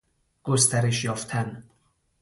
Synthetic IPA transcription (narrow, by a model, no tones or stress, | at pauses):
ɡ̥ost̪ʰæɾe̞ʃjɒːft̪ʰæn